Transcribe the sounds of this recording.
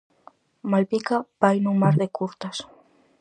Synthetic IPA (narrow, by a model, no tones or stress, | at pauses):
malpikabajnũmaɾðekuɾt̪as